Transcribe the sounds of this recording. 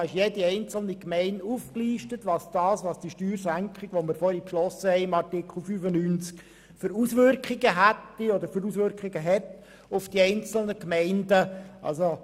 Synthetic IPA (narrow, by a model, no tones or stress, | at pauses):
ɪʃjediɛɪnt͡sl̩nikmɛɪnuːfkliːʃtətʋɑsd̥ɑːsʋɑsd̥iʃtyːrsæŋkχɪɡ̥ʋɔməɾfɔɾipʃlɔsəhɛɪɪmɑrtɪkχl̩ˠfyːfənyːnt͡sk | fʏɾusʋʏrkχɪɡəɦætːiɔd̪əɾfʏɾusʋʏrkχɪɡəɦɛt | ʊfd̥iɛɪnt͡sl̩nəkmɛɪndəʔɑ̰lso